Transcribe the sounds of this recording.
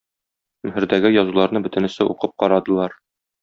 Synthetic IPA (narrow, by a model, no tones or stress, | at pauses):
mɵ̆ɦɘ̆ɾd̪æɡɘjɒzulˠɑɾnɤbɵ̆t̪ɘ̆nɘ̆sɘuqɤp̚qɒɾɑd̪ɤ̆lˠɑɾ